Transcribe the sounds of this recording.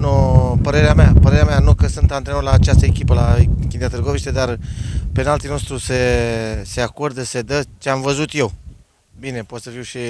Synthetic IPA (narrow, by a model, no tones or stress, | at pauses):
nopəɾe̞ɾeameapəɾeɾeameanukəsɨnt̪ant̪ɾenulaːt͡ʃast̪əekʲipəlakʲind̪ʲat̪əɾɡoviʃt̪ed̪arpe̞nalt̪inost̪ɾuse̞se̞ako̞rd̪əse̞d̪ət͡ʃeamvəzut̪jew | bine̞pot̪səfiwʃi